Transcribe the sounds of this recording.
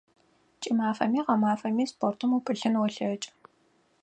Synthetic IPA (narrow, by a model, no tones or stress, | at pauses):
t͡ʃʼimaːfɐ̰miːʁɐmaːfɐmiːspʰoːrtʰɨmukʼɨɬɨnwɔɬɐt͡ʃʼ